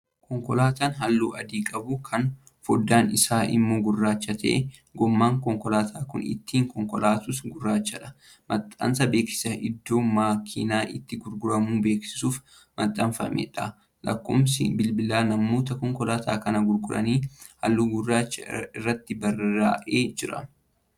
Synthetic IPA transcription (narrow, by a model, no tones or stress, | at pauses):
kʰɔŋkɔlaːt̪aːnɦɐlːuːʔɐd̪iːkʼɐbʊkʰɐn | fɔd̪ːaːnɪsaːʔɪ̰mːo̞ːɡʊrːaːt͡ʃːɐt̪ʰɐ̰ʔɛ | ɡɔmːaːŋkɔŋkɔlaːt̪ʰaːkʊ̰nɪ̰t̪ːiːŋkɔŋkɔlaːt̪usɡʊrːaːt͡ʃːɐᶑɐ̥ | mɐt̪ʼːɐ̰nsɐbe̞ːksɪ̥sɐʔɪd̪ːo̞ːmaːkʰḭːnaːʔɪt̪ːɪɡʊɾɡʊɾɐmuːbe̞ːksɪ̥suːf | mɐt̪ʼːɐnfɐmḛᶑɐ | lɐ̰kːo̰ːmsɪ̰bɪlbɪlaːnɐmːo̞ːt̪ɐkɔŋkɔlaːt̪ʰa̰ːkɐnɐɡʊɾɡʊɾɐ̰niːhɐ̰lːuːɡʊrːaːt͡ʃːɐ̰ɪrːɐt̪ːɪbɐra̰ːʔeːd͡ʒɪɾɐ̰